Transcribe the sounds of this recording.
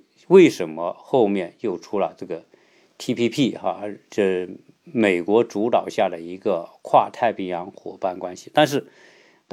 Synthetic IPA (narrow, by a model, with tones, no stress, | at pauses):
we˥˩ɪʂə˧˥nmə˧xo˥˧ʊmjɛ˥˧njo˥˩ʊʈ͡ʂʰu˧˥lə̰˨ʈ͡ʂɤ˥˩ɡə˩ | t̪ʰi˥pʰi˥pʰi˥˩xa̰˧˩ʈ͡ʂə˥˧˩ | me˨˩ɪkwɔ˧˥ʈ͡ʂu˧˥t̪ɑ˨˩ʊɕja˥˩d̪ə˩i˧˥ɡə˧kʰwa̰˥˧t̪ʰa˥˧ɪpʰi˧˥˩ŋjɑ˧˥ŋxwɔ̰˨˩pa˥˩nkwa˥nɕi˨t̪a˥˧nʂ̬ɻ̩˥˩ | t̪